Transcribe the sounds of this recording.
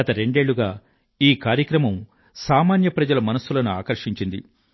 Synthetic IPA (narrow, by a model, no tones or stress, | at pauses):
ɐt̪ɐɾe̞ɳɖe̞ːɭːuɡaː | iːkaːɾjɐkɾɐmɐm | saːmaːnjɐpɾɐd͡ʒɐlɐmɐnɐsːulɐnuaːkɐɾʂiɲt͡ʃind̪ḭ